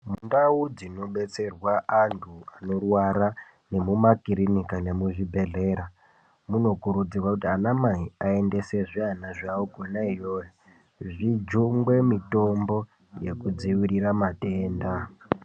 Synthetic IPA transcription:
mundaud͡zino̞ɓe̞t͡se̞rwaʔantʰuano̞rwaɾa | ne̞mumakiɾinikane̞muʐibʱe̞ɮe̞ɾa | muno̞kuɾud͡zirwakutianamaiae̞nde̞se̞ʐianaʐaokonaijoja | ʐid͡ʒuŋɡwe̞mito̞mbo̞ | je̞kud͡ziʋiɾiramate̞ːnda

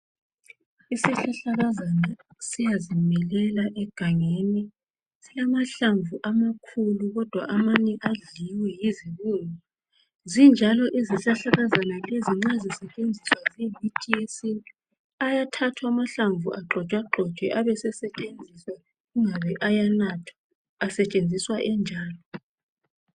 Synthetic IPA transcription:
isiɬaɬaɣazanasijazimɛlɛlaʔɛɡ̥ʱaŋeni | silamaɬaɱvuʔamakʰuluɣɔd̥ʱwa̰ʔamanɛʔaɮiwɛjiziluːnɔ | zind͡ʒʱalɔʔiziɬaɬaɣazanaleziŋ͡ǀazisɛt͡ʃʼend͡zʱiswazimitʰʼiesi | ajatʰatʰwaamaɬaɱvuʔaɡ͡ǃʱɔt͡ʃʼwaɡ͡ǃʱɔt͡ʃʼwɛʔaβɛsɛsɛt͡ʃʼend͡zʱiswa | ɣuŋaβɛʔajanatʰḁ | asɛt͡ʃʼend͡zʱiswaʔɛnd͡ʒʱaːlɔ

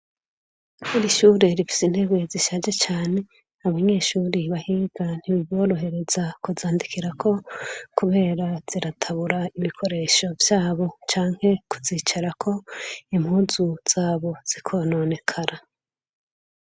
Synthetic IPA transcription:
βuɾiʃuːɾe̞ɾifi̥sin̥he̞ɡwe̞ziʃaːd͡ʒe̞t͡ʃaːne̞ | aβaɲe̞ːʃuːɾiβahiːɡan̥hiβiβo̞ːɾo̞ɦe̞ɾe̞zakuzaːndikʰiɾakʰo̞kuβe̞ːɾaz̥iɾatʰaβuɾaiβikʰo̞ɾe̞ːʃo̞vjaːβo̞t͡ʃaːŋ̥he̞ku̥ziːt͡ʃaɾakʰo̞im̥huːzuz̥aːβo̞z̥ikʰo̞no̞ne̞kʰaɾa

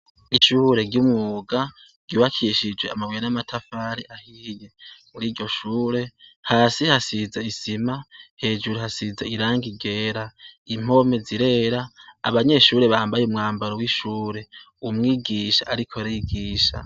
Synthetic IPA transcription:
iʃuːɾe̞ɡɟumŋuːɡa | ɡ̥iwakʰiʃid͡ʒweamaβwejanamatʰafaɾiʔahije̞muɾiːɾɟo̞ʃuːɾe̞haːsihasizaisimahe̞ːd͡ʒuɾuhasizaiɾaːŋɡiɡe̞ːɾaim̥o̞me̞ziɾe̞ːɾa̰ːβaɲe̞ʃuːɾe̞βaːmbajeumŋaːmbaɾowiʃuːɾe̞ | umŋiːɡiʃa̰ʔaɾikʰo̞ɾiɡiːʃa̰

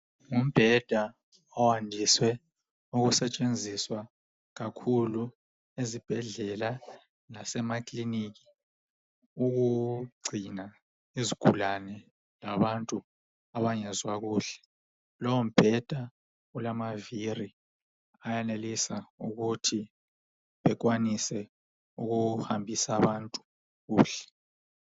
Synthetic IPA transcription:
ŋum̩b̥ʱɛd̥ʱa | ɔwandʱiswɛ | uɣusɛt͡ʃʼend͡zʱiswa | ɣakʰulu | ezib̥ʱɛɮɛla | nasɛmakʼliniki̥ | uɣuɡ͡ǀʱina | iziɡ̥ʱulanɛ | laβantʼu | aβaŋɛzwaɣuːɬɛ̥ | lɔwɔm̩b̥ʱɛd̥ʱa | ulamaviri | ajanelisauɣutʰi | βɛkwanisɛ | uɣuhambʱisaβantʼu̥ | ɣuːɬɛ̥

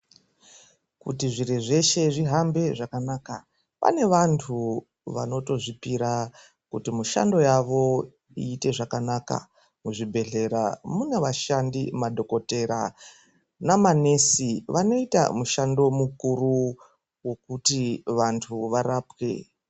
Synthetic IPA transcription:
kṵtiʐiɾeʐe̞ʃe̞ʐiɦambe̞ʐakanaːka | pa̰ne̞ʋantʰu | ʋa̰no̞to̞ʐipiɾa | kutimuʃa̰ndo̞jaʋo̞ | iːte̞ʐakanaːka̰ | muʐibʱe̞ɮe̞ɾa̰muneʋaʃandimadʱo̞ko̞te̞ɾa̰ | namane̞siʋano̞ita̰muʃando̞mukuru | wo̞kutiʋantʰuʋaɾaːpwḛ

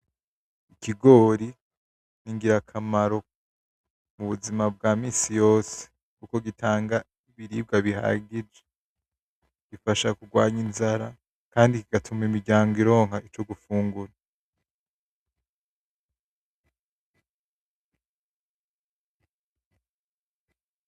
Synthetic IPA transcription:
iciɡo̞ːɾi | niŋɡiɾakʰamaɾo̞ | muβuzimab̚ɡaːmiːsijo̞ːse̥ | kuko̞ɡitʰaːŋɡa | iβiɾiːb̚ɡaβiha̰ɡid͡ʒe | ɡ̥ifaʃakuɡwaːɲinzaɾa | kaːndikiɡatʰumimiɾɟaːŋɡoiɾo̞ːŋhaʔit͡ʃo̞ɡufuːŋɡuɾa

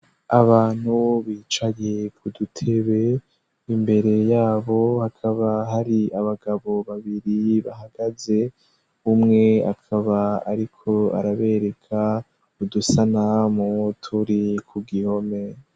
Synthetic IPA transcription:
aβaːn̥huβiːt͡ʃaje̞kʰudutʰe̞βe̞ | imbe̞ɾe̞jaːβo̞hakʰaβaɦaɾiaβaɡaβo̞βaβiɾiβa̰ɦaɡ̥aze̞ | umŋe̞a̰kʰaβaaɾikʰo̞a̰ɾaβe̞ːɾe̞kʰa | udusanamutʰuɾikʰuɡiho̞me̞

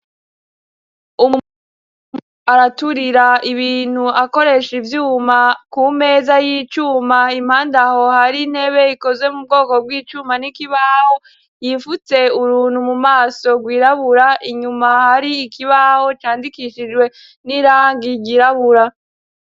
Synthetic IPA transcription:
u | aɾatuɾiɾaiβiːn̥huako̞ɾe̞ʃivjuːmakume̞ːzajit͡ʃuːmaim̥haːndaho̞haɾin̥he̞βe̞iko̞zwe̞mub̚ɡo̞ːko̞b̚wiːt͡ʃuːmanikiβaho̞ | jiːɱfut͡se̞uɾuːnhumumaːso̞ɡwiːɾaβuɾaʔiɲumahaɾiːkiβaho̞t͡ʃaːndikiʃid͡ʒɡwe̞ | niɾaːŋɡiɡiɾaβuɾa

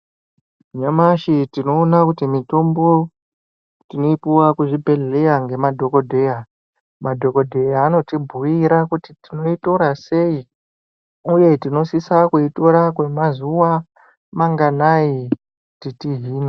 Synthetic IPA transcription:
ɲamaʃitino̞ːnakutimito̞mbo̞ | tino̞ipuwakuʐibʱe̞ɮe̞jaŋɡe̞madʱo̞ko̞dʱe̞ja | madʱo̞ko̞dʱe̞jaːno̞tibʱuiɾakutitino̞ito̞ɾase̞i | uje̞tino̞sisakuito̞ɾakwe̞mazuwa | maŋɡanai | titiɦiːna

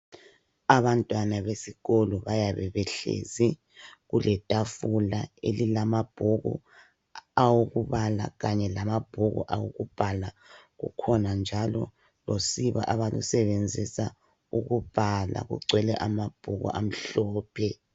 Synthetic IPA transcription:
aβantʼwanaβesiɣolɔβajaβɛβɛɬḛːzi | ɣulʔɛtʼafulaelilamab̥ʱoɣṵ | awoɣuβala̰ɣaɲɛlamab̥ʱoɣṵʔawo̰ɣub̥ʱala | ɣṵkʰɔnand͡ʒʱalɔ̰ | losiβa̰ʔaβalṵsɛβend͡zʱisa | uɣub̥ʱala̰ɣṵǀʱwɛlɛʔamab̥ʱoɣṵʔam̩ɬɔːpʰɛ

